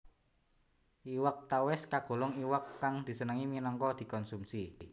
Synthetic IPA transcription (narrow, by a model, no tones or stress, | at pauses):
iwək̚t̪awɛskaɡ̥o̤lʊŋiwəkːaŋd̪̥i̤sənəŋiminɔŋkɔd̪̥i̤kɔnsumsi